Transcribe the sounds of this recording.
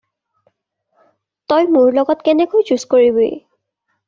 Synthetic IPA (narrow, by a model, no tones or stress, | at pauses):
tɔjmuɹlɔɡɔtkɛnɛkojd͡ʒuskoɹiboj̰